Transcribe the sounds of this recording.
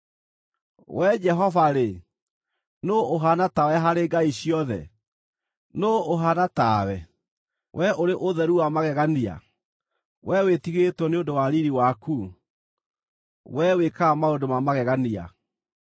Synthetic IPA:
wɛd͡ʒɛɦɔvaɾe | nooɦanatawɛɦaɾeɡaiɕiɔðɛ̰ | nooɦanatawɛ | wʔɛʔoɾeʔoðɛɾuwamaɣɛɣania̰ | wʔɛwetiɣetwɔneondowaɾiɾiwaku | wɛwekaːmaondomamaɣɛɣania̰

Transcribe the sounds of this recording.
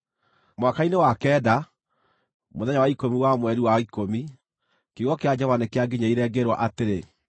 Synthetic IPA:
mwakainewakɛːda | moðɛɲawaikomiwamwɛɾiwaikomi | keɣɔkead͡ʑɔvanekeaɡeɲaiɾɛɡeɾwa̰ʔateɾe

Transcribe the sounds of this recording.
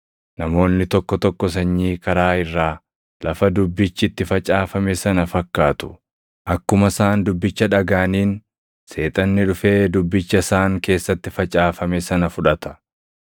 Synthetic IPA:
nɐmo̞ːnːɪt̪ɔkːɔt̪ɔkːɔs̬ɐɲːiːkɐɾaːɪrːaː | lʔɐfɐd̪ʊbːɪt͡ʃːɪt̪ːɪfɐt͡ʃʼaːfɐmɛsɐnɐfɐkːaːt̪ʊ̥ | ʔɐkːʊmɐsaːnd̪ʊbːɪt͡ʃːɐᶑɐɡaːniːn | se̞ːt̪ʼɐnːɪᶑʊfeːd̪ʊbːɪt͡ʃːɐsaːŋke̞ːsːɐt̪ːɪfɐt͡ʃʼaːfɐmɛsɐnɐfʊᶑɐt̪ɐ̥

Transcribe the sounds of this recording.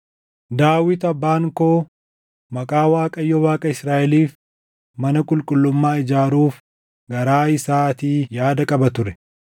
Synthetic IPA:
d̪aːwɪt̪ɐbːaːŋkoː | mɐkʼaːwaːkʼɐjːɔwaːkʼɐɪsɾaːʔɛliːf | mɐnɐkʼʊlkʼʊlːʊmːaːɪd͡ʒaːɾuːf | ɡɐɾaːɪsaːt̪iːjaːd̪ɐkʼɐbɐt̪ʊɾɛ

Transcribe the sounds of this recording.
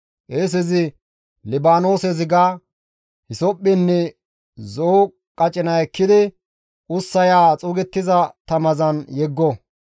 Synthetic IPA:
ʔeːs̬ɛzɪ | lɪbaːno̞ːsɛzɪɡaː | hɪsɔpʼːɪnːɛ | zo | kʼɐt͡ʃʼɪnɐɛkːɪd̪ɪ | ʔʊsːɐjaːt͡sʼuːɡɛt̪ːɪzɐt̪ɐmɐzɐnjɛɡːɔ

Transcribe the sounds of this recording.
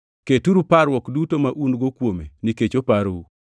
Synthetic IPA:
ketuɾupaɾwɔkdutomaʔunɡokwomeniket͡ʃopaɾwu

